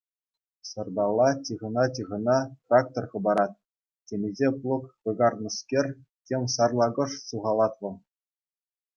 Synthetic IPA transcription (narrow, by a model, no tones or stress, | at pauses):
sɤ̆rd̪ɑlˠːɑtʲiʁɤ̆nɑtʲɯʁɤ̆nɑt̪rɑk̚t̪orχɤ̆bɑɾɑt̪̚ | tʲenʲezʲeplˠŏkʋɤ̆ɡɑrnɤ̆skʲerʲ | tʲemʲsɑrlˠɑɡɤ̆ʂsuʁɑlˠɑt̪ʋɤ̆lˠ